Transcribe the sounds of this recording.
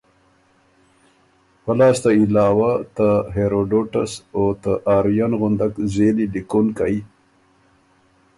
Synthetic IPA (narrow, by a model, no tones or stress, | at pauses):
pəlɑːst̪ailɑːwat̪aɦeɾoɖoʈa̰sot̪əʔɑːɾjanɣʊnd̪akzeliɖikunkaj